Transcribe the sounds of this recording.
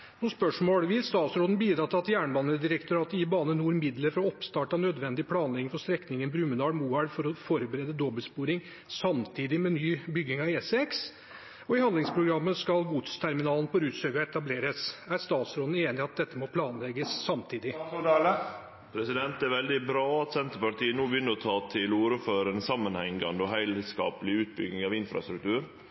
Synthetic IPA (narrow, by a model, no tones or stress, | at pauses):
nɔspœʂmoːɽʋɪlst̪ɑːt̪sɾoːd̪n̩biːd̪ɾɑːt̪ɪlɑt̪jæːɳbɑːnəd̪ɪɾəkt̪ʰʊɾɑːt̪ɪbɑːnənuːɾmɪd̪ləɾfɔɾɔɔpst̪ɑːʈɑnød̪ʋɛnd̪ɪəpʰlɑːnlɛɡɪŋfɔʂt̪ɾɛknɪŋənbɾʉmənɑːɽmuːæɽfɔɾɔfɔɾbəɾɛd̪əd̪ɔbəlspuːɾɪŋ | sɑmt̪ʰiːd̪ɪmɛnyːbʏɡːɪŋɑeːsɛks | ɔɪhɑnd̪lɪŋspʰɾʊɡɾɑmːəskɑlɡuːt̪ʰə̥st̪ʰæɾmɪnɑːlən̩pɔɾʉːsøːɡɔɛt̪ɑbleːɾəsæɾst̪ɑːt̪sɾɔd̪n̩eːnɪɑt̪̚d̪ɛt̪ːəmɔpʰlɑːnlɛɡəsːɑmt̪ʰiːd̪ɪ | pʰɾɛsɪd̪ɛnt̪æɾʋɛld̪ɪbɾɑːɑt̪sɛnt̪əpɑʈiːənoːbjʏnːəɾɔt̪ʰɑːt̪ʰɪloːɾʉføːɾəɛnsɑmːənhɛŋɑnd̪əɔɦæɪlskɑ̰ːpəlɪʉːt̪̚bʏɡnɪŋɑʋɪnfɾɑ̰st̪ɾʉk̚t̪ʰʉːɾ